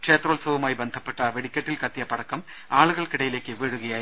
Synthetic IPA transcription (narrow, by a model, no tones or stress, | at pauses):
kʂeːt̪ɾoːlsɐʋɐmaːjbɐnd̪ʱɐpːɐʈːɐʋɛɽɪkʲːɐʈːɪlkɐt̪ːɪjɐpːɐɽɐkːɐm | aːɭɯɣɐɭkɪɽɐjɪleːkːɯʋeːɻɯɣɐjaːj